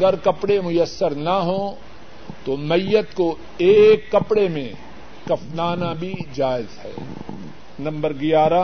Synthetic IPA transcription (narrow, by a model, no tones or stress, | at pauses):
ɐɡəɾkɐpɽemʊjəsːəɾnɐɦõ | t̪omɐjːət̪ko | eːkːɐpɽemẽ | kɐfnaːnabʱid͡ʒaːɪzhɛ̰ː | nɐ̃mbəɾɡɪjaːɾa